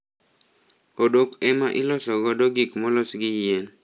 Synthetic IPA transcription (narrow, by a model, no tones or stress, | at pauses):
odokɛmaʔɪlɔsɔɡɔdoɡikmɔlɔsɡɪjen